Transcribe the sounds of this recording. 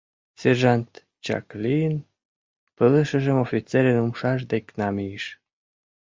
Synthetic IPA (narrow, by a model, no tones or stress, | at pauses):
serʒɑnt̪ | t͡ɕɑ̰klijən | pələʃə̆ʒəmofʲit͡seɾenumʃɑʃ̬d̪eknɑmijəʃ